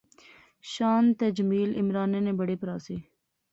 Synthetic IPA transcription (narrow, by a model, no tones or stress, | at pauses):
ʃaːnt̪ɐd͡ʒmiːlɪmɾaːneneːbɐɽepɾaːseː